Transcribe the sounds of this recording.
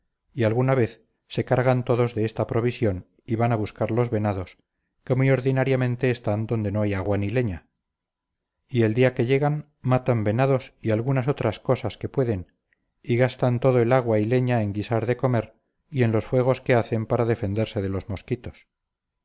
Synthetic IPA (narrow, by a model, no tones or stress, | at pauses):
ialɣunaβe̞θ | se̞kaɾɣant̪o̞ðo̞zðe̞est̪apɾo̞β̞isjo̞n | iβanaβuskaɾlo̞zβe̞naðo̞s | ke̞mujo̞ɾðinaɾjamẽ̞nt̪e̞ːst̪and̪o̞nd̪e̞noajaɣwanile̞ɲa | ie̞ld̪iake̞ʝeɣan | mat̪ambe̞naðo̞sialɣunas̬o̞t̪ɾasko̞saske̞pwe̞ðe̞n | iɣast̪ant̪o̞ðo̞e̞laɣwaile̞ɲae̞ŋɡisaɾðe̞ko̞me̞ɾ | ie̞nlo̞sfwe̞ɣ̞o̞ske̞aθe̞mpaɾaðe̞fe̞nd̪eɾse̞ðe̞lo̞zmo̞skit̪o̞s